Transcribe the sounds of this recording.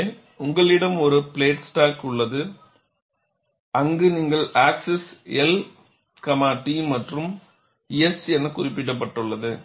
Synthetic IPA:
ʊŋɡɐɭɪɽɐmɔɾɯpɪɭeːʈsʈaːkʊɭːɐðɯ | ɐŋɡɯniːŋɡɐɭaːksɛsɛl | kɐmaːʈːimɐʈrɯm | ijɛsɛnːɐkʊrɪp̬ːɪʈ̬ːɐp̬ːɐʈːɯɭːɐðɯ

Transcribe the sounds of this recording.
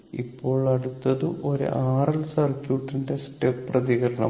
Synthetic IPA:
ḭpːo̞ːɭɐɽut̪ːɐðɨʔo̞ɾṵʔaːrɐlsɐrkjuːʈːinde̞sʈepːrɐðiɣɐɾɐɳɐ̰

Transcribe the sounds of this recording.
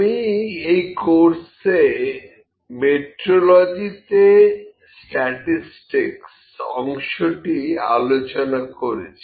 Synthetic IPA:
miejkoɾse | meʈɾolod͡ʑit̪e | sʈɛʈisʈiks | ɔ̰ŋʃoʈia̰lot͡ɕonakoɾet͡ɕʰi

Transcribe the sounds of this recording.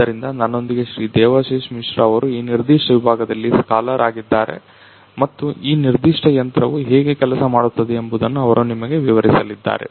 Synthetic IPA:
d̪ɐɾind̪ɐnɐnːo̞nd̪iɡe̞ʃɾiːd̪ɛːʋaʃeːʃmiʂɾɐɐʋɐɾuiːniɾd̪iːʂʈɐʋibʱaːɡɐd̪ɐlːiskaːlɐɾʔaːɡid̪ːaːɾe̞̰ | mɐt̪ːuiːniɾd̪iʂʈɐjɐnt̪ɾɐʋuɦeːɡe̞kɛlɐsɐmaːɽut̪ːɐd̪eːmbud̪ɐnːuɐʋɐɾʔunimɐɡe̞ʋiʋɐɾisɐlid̪ːa̰ːɾe̞̰

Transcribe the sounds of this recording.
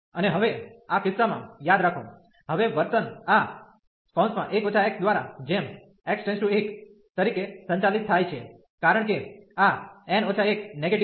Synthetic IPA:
əneɦəʋeakɪsːamã̰jad̪ɾakʰo̰ | ɦəʋeʋəɾt̪əna | spɔ̃nsmã̰ʔekot͡ʃʰaek̚sd̪ʋaɾa̰d͡ʒem | eksʈɛ̃nsʈũek | t̪əɾikesə̃ɲt͡ʃalit̪ʰːajt͡ʃʰe | kaɾəɳ̃keaɛnot͡ʃʰaekneɡeʈ

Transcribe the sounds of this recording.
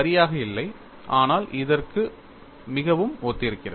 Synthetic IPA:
ɐɾɪjaːɣɐɪlːɐɪ | ʔaːnaːlʔɪðɐrkɯ | mɪɣɐʋɯmoːt̪ːɪɾɯkːɪrɐ

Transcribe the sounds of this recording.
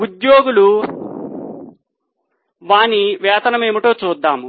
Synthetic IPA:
ud̪jo̞ːɡulu | ʋaːniʋɛːt̪ɐnɐmeːmiʈoːt͡ʃuːd̪ːaːmu

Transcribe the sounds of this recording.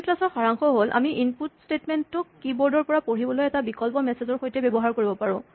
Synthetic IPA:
tlasɔxaɹaŋxɔɦolʔa̰miʔinputstetmɛntːʊkːibɔɹdɔɹpɔɹapoɹibɔlojɛtabikɔlpɔmɛsezɔɹxojtɛbebɔɦaɹkoɹibɔpaɹʊ̃

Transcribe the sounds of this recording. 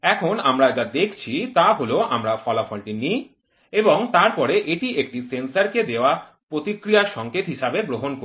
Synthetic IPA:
ɛkʰonamɾad͡ʑad̪ekʰt͡ɕʰit̪aɦoloʔamɾafɔlafɔlʈini | eboŋt̪aɾpɔɾeʔeʈiek̚ʈisensaɾked̪eoa | pɾot̪ikɾijaʃɔŋket̪ɦiʃabeɡɾoɦonko

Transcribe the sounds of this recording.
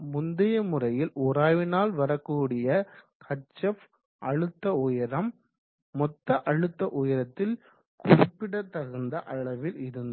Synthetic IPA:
mʊnd̪ɪjɐmʊrɐjɪlɔɾaːʋɪnaːlʋɐɾɐkːuːɽɪjɐ | kʰɐt͡ʃːɐf | ʔɐɻɯt̪ːɐʊjɐɾɐmː | ɔt̪ːɐʔɐɻɯt̪ːɐʔʊjɐɾɐt̪ːɪl | kʊrɪpːɪɽɐt̪ːɐɣɯnd̪ɐʔɐɭɐʋɪlɪɾɯnd̪

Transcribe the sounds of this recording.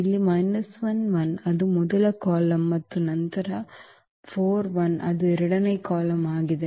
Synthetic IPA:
ɪlːimɐɪnɐsʋɐnʋɐnɐðɯmɔðɐlɐkaːlɐmːɐt̪ːɯnɐnt̪ɐɾɐ | foːɾʋɐnʔɐ̰ðɯɛɾɪɽɐnɐɪkːaːlɐmaːɣɪðe

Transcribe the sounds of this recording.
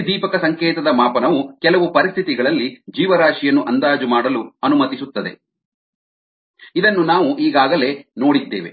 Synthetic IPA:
d̪iːpɐkɐsɐŋkɛːt̪ɐd̪ɐmaːpɐnɐʋukɛlɐʋupɐɾist̪ʰit̪iɡɐɭɐlːid͡ʒiːʋɐɾaːʂijɐnːuʔɐnd̪aːd͡ʒumaːɽɐluɐnumɐt̪isut̪ːɐd̪e̞̰ | id̪ɐnːunaːʋuʔiːɡaːɡɐle̞no̞ːɽid̪ːḛːʋe̞̰

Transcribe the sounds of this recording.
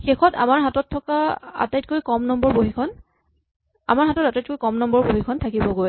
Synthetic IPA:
xexɔta̰maɹɦatɔtʰːɔkaa̰tajt̚kojkɔmnɔmbɔɹboɦikʰɔn | a̰maɹɦatɔtatajt̚kojkɔmnɔmbɔɹboɦikʰɔntʰakibɔɡoj

